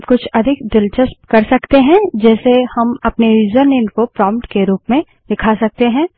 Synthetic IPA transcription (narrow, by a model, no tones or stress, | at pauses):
kʊt͡ʃʰɐd̪ʱɪkd̪ɪlt͡ʃəskɐɾsɐkt̪eɦɛ̃d͡ʒɛːsehɐmɐpneɾiːzəɾnɪ̃nkopɾɔ̃ːmpʈkeɾuːpmẽ | d̪ɪkʰasɐk̚t̪eɦɛ̃ː